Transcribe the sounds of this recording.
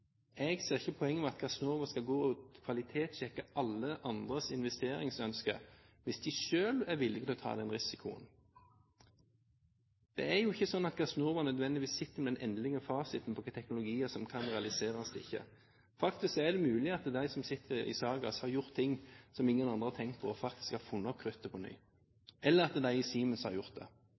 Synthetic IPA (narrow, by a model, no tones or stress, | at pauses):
ɛɡseːʁɪçːəpʰɔɛŋːəmɔmɑt̪ɡɑsnuːʁʋɑskɑlɡoːɔːt̪kʰʋɑlɪt̪ʰeːt̪ɕɛkːɑʔɑlːəʔɑnd̪ʁəsɪnʋɛst̪eːɾɪŋsœnskə̰ʋɪsd̪ɪʃøːlæɾʋɪlːɪɡt̪ːɔt̪ʰɑ̰ːd̪ɛnʁɪsɪkʰʊə̰n | d̪̥ɛ̰æɾjʊɪçːəsɔnːɑt̪ɡɑsnuɾʋɑnœd̪ʋɛnd̪ɪʋiːsɪt̪ːəɾmɛd̪ɛnʔɛnd̪lɪŋɑʋfɑːsɪt̪n̩pʰɔt̪ʰɛknʊlʊɡiːəsɔmkʰɑnʁɛɑlɪseːɾɑsd̪ɪ̰çːə̰ | fɑkt̪ɪsksɔæd̪ɛmʉːlɪɑt̪d̪æɪsɔmsɪt̪ʰːəɾɪ̰sɑːɡɑ̰shɑɾjʊʁt̪ʰːɪŋːsɔmɪŋːənɑnd̪ʁəɑt̪ʰɛŋkt̪̚pʰɔɔfɑk̚t̪ɪ̥skæfʊnːɔkʰːʁʏt̪ːəpʰɔny̰ː | ʔɛlːəɾɑt̪d̪æɪɪsiːmənshɑ̰ɾjʊʁt̪̚d̪ɛ̰